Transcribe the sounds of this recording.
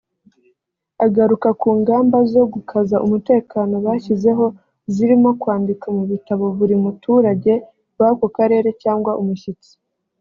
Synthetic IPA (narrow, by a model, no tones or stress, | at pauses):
aɡaɾukakuːŋɡaːmbazo̞ɡukʰazaʔumute̞ːkaːno̞βaːçize̞ɦo̞ | ziɾimo̞kwaːndikamuβitaβo̞βuɾimutʰuːɾaɟe̞ | wakokaɾe̞ːɾe̞caːŋɡwaʔumuʃit͡si̥